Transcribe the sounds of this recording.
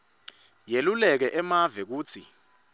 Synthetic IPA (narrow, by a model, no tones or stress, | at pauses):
jelulɛk̬ɛʔɛmavɛk̬uːt͡sʰḭ